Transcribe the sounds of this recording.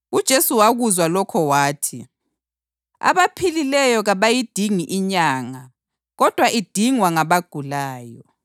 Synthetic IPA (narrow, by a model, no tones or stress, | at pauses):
ud̥ʒ̥ʱesuwaɣuzwalɔkʰɔwaːtʰi | a̰βapʰililɛjɔɣaβajid̥ʱiŋiʔiɲaːŋa | ɣɔd̥ʱwaʔid̥ʱiŋwaŋaβaɡ̥ʱulaːjɔ